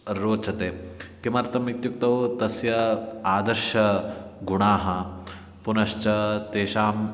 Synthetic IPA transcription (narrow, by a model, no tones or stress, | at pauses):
ɾoːt͡ʃʰɐt̪eːkimɐɾt̪ɐmit̪juk̚t̪ɐwt̪ɐsjɐaːd̪ɐɾʃɐɡuɳaːɦɐ | punɐʃt͡ʃɐt̪eːʃaːm